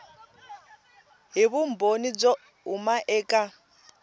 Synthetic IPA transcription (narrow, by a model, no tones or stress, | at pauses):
ɦiβum̩bonid͡zɔ | umaʔɛːkʼa